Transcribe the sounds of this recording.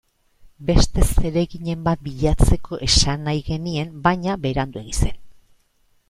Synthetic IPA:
be̞st̪e̞se̞ɾe̞ɣiɲe̞mbat̪̚biʎat͡se̞kʰo̞ʔe̞sanajɣe̞nie̞mbajɲaβe̞ɾand̪ue̞ɣise̞n

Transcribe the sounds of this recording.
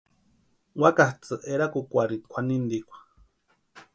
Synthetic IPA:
wakaht͡sɨʔeɾakukʷaɾikʷʰanind̪ikʷḁ

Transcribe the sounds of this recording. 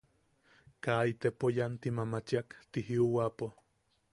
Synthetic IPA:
kait̪epojant̪imamat͡ʃiakt̪iɦiuwapo

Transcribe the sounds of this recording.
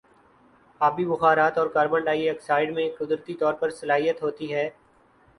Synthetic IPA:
aːbʱibʊxaːɾaːt̪ɔːɾkaːɾbə̃ɳɖaːiəksaːɪɖmẽkʊd̪ɾət̪it̪ɔːɾpɐɾsəlaːɦijət̪ɦoːt̪iɦɛː

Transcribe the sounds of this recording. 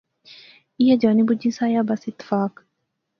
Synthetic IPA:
ijad͡ʒaːnibud͡ʒĩsaːjaːbɐsɪt̪ːɪ̥faːk

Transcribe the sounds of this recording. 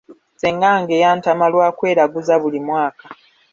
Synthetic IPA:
seŋɡaŋɡejaːntamalwaːkwe̞ːɾaɡuzaβulimwaːkḁ

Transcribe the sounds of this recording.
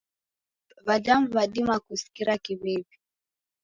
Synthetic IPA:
βadamβaɗimakusi̥kiɾakiβɛvi

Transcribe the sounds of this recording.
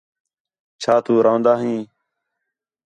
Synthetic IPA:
t͡ʃʰaːt̪uːɾãːnd̪aːɦĩː

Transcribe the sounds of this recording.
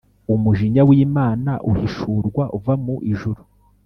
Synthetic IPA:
umuʒiɲawiːmaːnaʔuhiʃuːɾɡwaʔuvamuʔiʒuɾu

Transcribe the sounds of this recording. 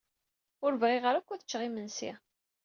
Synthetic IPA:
ʊɾvʁiʁəɾækʷːæθə̥t͡ʃːʁimənsḭ

